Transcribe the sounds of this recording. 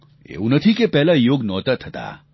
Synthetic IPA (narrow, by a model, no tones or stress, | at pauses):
ḛːunɐt̪ʰikepɛɦlajoːɡnɔːt̪ət̪ʰːɐt̪a̰ː